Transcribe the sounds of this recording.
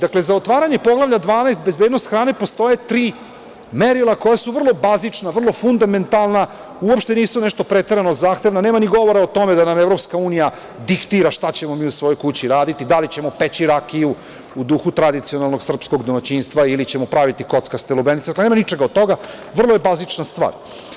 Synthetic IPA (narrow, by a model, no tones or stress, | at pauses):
d̪aklezaot̪ʋaːɾaɲe̞po̞ɡlˠaʋʎad̪ʋaːnajst̪̚be̞zbeːd̪no̞st̪xɾaːne̞po̞st̪o̞je̞t̪ɾiː | meɾilˠako̞jasuʋr̩lˠo̞bazit͡ʂnaʋr̩lˠofund̪ame̞nt̪alˠna | uopʃt̪e̞niːsuneʃt̪o̞pɾet̪eɾano̞zaːxt̪e̞ʋnaneːmaniɡo̞ʋo̞ɾaot̪o̞med̪anamevɾo̞pskauːnija | d̪ikt̪iɾaʃt̪at͡ɕe̞momiːusʋo̞jojkut͡ɕiɾaːd̪it̪id̪alit͡ɕe̞mo̞pet͡ɕiɾakiju | ud̪uxut̪ɾad̪it̪sijonalˠno̞ɡsr̩psko̞ɡd̪omat͡ɕiːnst̪ʋailit͡ɕe̞mopɾaʋit̪iko̞t̪skast̪elubenit̪ed̪akleemanit͡ʃe̞ɡaod̪t̪ːo̞ɡa | ʋr̩lˠojebazit͡ʂnast̪ʋa̰ːɾ